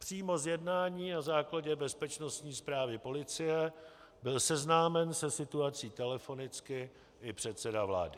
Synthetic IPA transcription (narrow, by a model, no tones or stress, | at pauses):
pr̝̥iːmo̞zjɛdnaːɲiːnazaːklaɟɛbɛspɛt͡ʃno̞st̪ɲiːspɾaːvɪpo̞lɪt͡sɪjɛ | bɪlsɛznaːmɛnsɛsɪt̪uat͡siːt̪ɛlɛfo̞nɪt͡skɪ | ʔɪpr̝̥ɛt̪sɛdavla̰ːdɪ